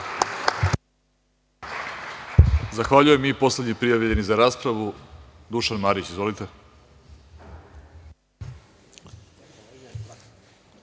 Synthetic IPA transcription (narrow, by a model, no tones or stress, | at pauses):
zaxʋaʎuje̞mipo̞sle̞d̪ɲipɾijaʋʎe̞nizaɾaːspɾaʋud̪uʃanmaːɾit͡ɕizʋo̞lit̪e̞